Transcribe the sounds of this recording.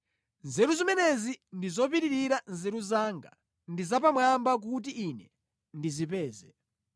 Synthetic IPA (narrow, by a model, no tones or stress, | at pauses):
nzɛɾuzimɛnɛzindizɔpiɾiɾiɾanzɛɾuzaːŋɡa̰ | ndizap̬amwambak̬ut̬iʔːnɛ | ndizipɛːzɛ